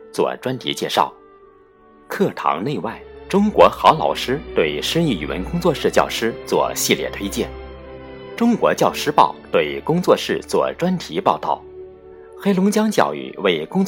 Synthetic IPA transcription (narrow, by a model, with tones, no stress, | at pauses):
t͡swɔ̰˥˧˩ʈ͡ʂwa˥nt̪ʰḭ˧˥t͡ɕjɛ˥˧ʂɑ˥˩ʊ | kʰɤ˥˩t̪ʰɑ̰˧˥ŋne˥˧ɪwa˥˩ɪʈ͡ʂʊ˥ŋkwɔ˧˥xɑ˧˥lɑ̰˨˩ʊʂɻ̩˥t̪we˥˩ɪʂɻ̩˥i˥˩y̰˨˩wə̰˧˥nkʊ˥ŋt͡swɔ˥˧ʂɻ̩˥˧t͡ɕjɑ̰˥˩ʊʂɻ̩˥t͡swɔ̰˥˧ɕi˥˧ljɛ̰˥˩t̪ʰwe˥ɪt͡ɕjɛ̰˥˩n | ʈ͡ʂʊ˥ŋkwɔ˧˥t͡ɕjɑ˥˩ʊʂɻ̩˥pɑ˥˩ʊt̪we˥˩ɪkʊ˥ŋt͡swɔ˥˧ʂɻ̩˥˧t͡swɔ̰˥˧ʈ͡ʂwa˥nt̪ʰi˧˥pɑ˥˧ʊt̪ɑ̰˥˩ʊ | xe˥ɪlʊ˧˥ŋt͡ɕjɑ˥ŋt͡ɕjɑ̰˥˩ʊy̰˨˩we˥˩ɪkʊ˥ŋt͡s